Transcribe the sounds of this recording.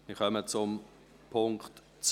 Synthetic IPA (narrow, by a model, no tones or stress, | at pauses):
miχœmət͡sʊm | pʰʊŋkt | t͡s